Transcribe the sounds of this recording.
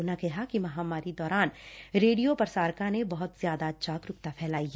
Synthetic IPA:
nakɛɦakimɐɦaːmaːɾid̪ɔːɾaːnɾeːɖijopɐɾsaːɾkãnebɐɦʊt̪z̥jaːd̪atːʃaːkɾʊk̚t̪apʰɛːlaːi

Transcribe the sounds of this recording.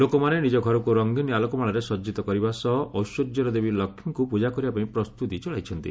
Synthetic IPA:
lokɔmanenid͡ʒɔɡʱɔɾɔkuɾɔŋɡinialɔkɔmaɭɔɾesɔd͡ʒit̪ɔkɔɾibasɔɦʔɔwsod̪jɔɾɔd̪ebilɔkʰjɔŋkupud͡ʒakɔɾibapaĩpɾɔst̪ut̪it͡ʃɔɭajt͡ʃʰɔnt̪ḭ

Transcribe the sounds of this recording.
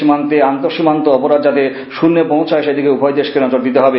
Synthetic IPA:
imant̪eant̪oʃimant̪oɔpoɾad̪d͡ʑat̪e | ʃunːepõw̃t͡ɕʰaɦejʃed̪ikeubʱɔjd̪eʃkenɔd͡ʑoɾd̪it̪eɦɔbe

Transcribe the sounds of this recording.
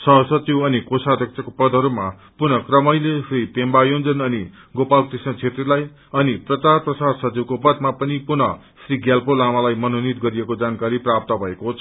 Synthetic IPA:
sʌɦʌsʌt͡siwʌnikosad̪ʱʌk̚t͡sʰʌkopʌd̪ʱʌɾuma | punʌkrʌmʌjlesripembajond͡zʌnʌni | ɡopalkrisnʌt͡sʰet̪rilaj | ʌniprʌt͡sarprʌsarsʌt͡siwkopʌd̪mapʌnipunʌ | sriɡjalpolamalajmʌnonit̪̚ɡʌɾijekod͡zankaɾiprap̚t̪ʌbʱʌekot͡sʰʌ

